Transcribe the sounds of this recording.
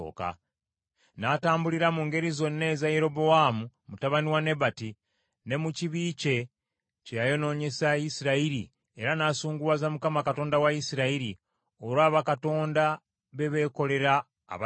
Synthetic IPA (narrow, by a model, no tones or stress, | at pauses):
o̰ka̰ | nataːmbuliɾamuŋɡe̞ɾizo̞nːe̞ːzaje̞ɾo̞bo̞amumutaβaniwane̞βati | ne̞muciβiːce̞ | cejajo̞no̞ɲe̞saisiɾaiɾi | e̞ɾanaːsuːŋɡuwazamukamakato̞ːndawaisiɾaiɾi | o̞ɾwaːβakato̞ːnda | βe̞βe̞ːko̞le̞ɾa̰ː | βa